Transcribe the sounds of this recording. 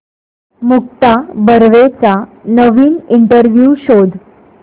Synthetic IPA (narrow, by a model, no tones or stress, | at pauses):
muk̚t̪abəɾʋet͡sanəʋiːniɳʈəɾʋjuːɕod̪